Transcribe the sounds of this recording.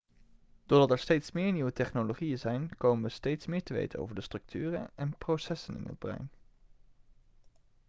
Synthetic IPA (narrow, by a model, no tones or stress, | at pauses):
d̥ʊːɹdɑtɛɹstejtsmɪːɹniʋətɛχnoloχijənzɛjnkowmənʋəstejtsmɪːɹtəʋḛjtə̰no̰wvəɹdəstrɵk̚tʰyːrə̰nɛnprosɛsənɪ̰nə̰d̚brœ̰ɥn